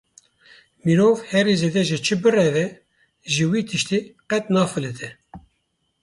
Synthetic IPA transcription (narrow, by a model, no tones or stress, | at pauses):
miɾoːvhɛɾized̪ɛʒɨt͡ʃʰɨbɨrɛvɛ | ʒiwiːt̪ʰɨʃt̪iqɛt̪̚nɑːfɨlɨt̪ʰɛ